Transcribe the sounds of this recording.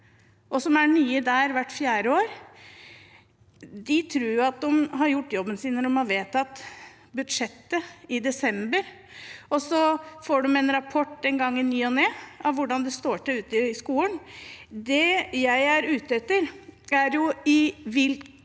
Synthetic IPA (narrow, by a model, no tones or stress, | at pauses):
ʔɔsɔmæɳyːəd̪æːɾʋæʈːfjæːɾəoːɾ | d̪ɪt̪ʰɾuːɾjʊɑt̪̚d̪ʊmɦɑɾjʊʈːjɔbːənsiːnəɖ̪ɔmɑʋeːt̪ːɑt̪ː | bʉd̪ʂɛt̪ːəɪd̪ɛsɛmbəɾ | ɔsɔfoːɖɔmɛnɾɑpʰɔʈːɛnɡɑŋːɪnyːɔneːɑʋʋʊɖɑnd̪ɛst̪oːʈəʉːt̪əɪskuːənd̪ɛjæɪæɾʉːt̪əɛt̪ːəɾæɾjʊɪʋɪl